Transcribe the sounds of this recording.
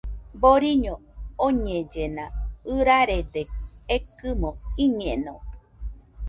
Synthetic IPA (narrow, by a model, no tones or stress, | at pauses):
boɾiɲõoɲẽd͡ʒenãɨɾaɾed̪eekɨmõiɲẽnõ